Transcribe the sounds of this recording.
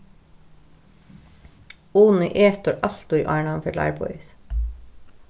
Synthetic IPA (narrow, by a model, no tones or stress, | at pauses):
uːnəʔeːt̪ʊɾʔɑlt̪ʊiːʔɑ̰ːɳɑmfœlɑ̰ɪɹbɔ̰ʏs